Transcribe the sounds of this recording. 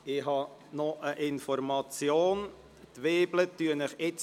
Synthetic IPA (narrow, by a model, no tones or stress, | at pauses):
ɪɦɑ | nɔʔəʔɪnfɔɾmɑt͡sjoːn | tʋeːblətyənɪχɪt͡s